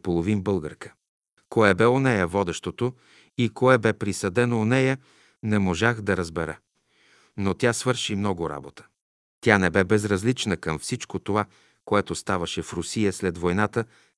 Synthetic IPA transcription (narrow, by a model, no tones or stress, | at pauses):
polˠovimbɤlˠɡə̰ɾkə̥ | koɛbɛonɛjəvɔd̪ɛʃt̪ot̪o | ikoɛbɛpɾisɐd̪ɛnoːnɛjə | nɛmoʒaxd̪ɐɾəzbɛɾə | not̪ʲjasvɤɾʃimnɔɡʊɾa̰bot̪ə̥ | t̪ʲanɛbɛbɛzɾɐzlit͡ʃnəkəmfsit͡ʃkot̪ova | koɛt̪ost̪avɐʃɛfɾʊsijəslɛt̪vojnat̪ə